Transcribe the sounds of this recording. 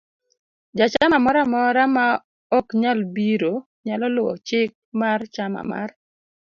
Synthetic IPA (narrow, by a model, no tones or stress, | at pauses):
d͡ʒat͡ʃamamɔɾamɔɾama | ɔkɲalbiɾo | ɲalɔlʊɔ̰t͡ʃɪk̚mart͡ʃama̰ma̰r